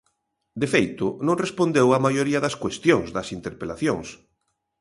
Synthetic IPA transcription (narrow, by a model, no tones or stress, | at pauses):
d̪efejt̪ʊnõŋrespond̪ewamajoɾiɐðɐskwest̪joŋzðɐsint̪eɾpelaθjoŋs